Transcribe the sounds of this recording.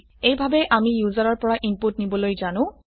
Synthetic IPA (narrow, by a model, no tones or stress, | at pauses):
ejbʱabɛʔamijuzaɹɔɹpɔɹaʔimputnibɔlojzanʊ̃